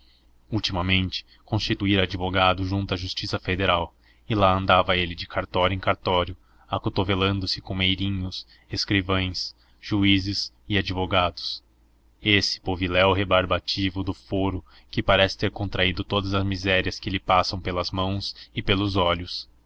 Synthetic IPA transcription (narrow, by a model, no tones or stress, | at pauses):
uwt͡ʃimɐmẽnt͡ʃɪ̥ | kõst͡ʃit̪uiɾad͡ʒivoɡad̪ʊʒũnt̪ʊɐʒust͡ʃisɐfed̪eɾaw | ɪlaɐ̃nd̪avɐelɪd͡ʒɪkʰaɾt̪ɔɾʊẽj̃kaɾt̪ɔɾjʊ | akot̪ovelɐ̃nd̪ʊsɪ̥kõw̃mejɾĩɲʊs | eskɾivɐ̃j̃s | ʒ̥uizɪz | ɪad͡ʒivoɡad̪ʊs | esɪ̥povilɛwɦebaɾbat͡ʃivʊd̪ʊfoɾʊ | kɪpaɾɛsɪ̥t̪eɾkõnt̪ɾaid̪ʊt̪od̪ɐzɐzmizɛɾiɐskɪlɪpasɐ̃w̃pelɐzmɐ̃w̃sɪpelʊzɔʎʊs